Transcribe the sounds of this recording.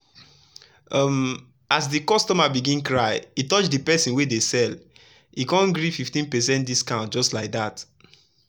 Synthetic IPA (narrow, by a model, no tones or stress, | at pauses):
ɔm | as̬dikɔstɔmabiɡĩnkɹaɪitɔt͡ʃdipɛsĩnwedesɛl | ikɔ̃nɡɹififtĩnpɛsɛ̃ntdiskãʊ̃nd͡ʒɔstlaɪk̚dat